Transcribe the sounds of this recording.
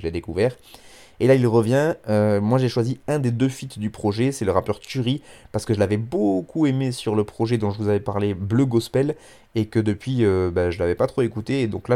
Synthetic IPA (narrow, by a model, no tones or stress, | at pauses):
əled̪ekuvɛːʁ | elailʁəvjɛ̃ømwaʒeʃwaziɛ̃d̪ed̪øfit̪d̪ypχɔʒɛsɛləʁapœʁt̪yʁipaʁsə̥kəʒəlavɛbokuemesyʁləpχɔʒɛd̪ɔ̃ʒəvuzavɛpaʁlebløɡɔspɛl | ekəd̪əpɥiøbaʒəlavɛpat̪χoekut̪eːd̪ɔ̃kla